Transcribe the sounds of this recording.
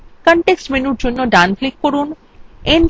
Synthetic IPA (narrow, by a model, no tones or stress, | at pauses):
kɔɳʈeksʈmenuɾd͡ʑonːoɖanflikːoɾun | en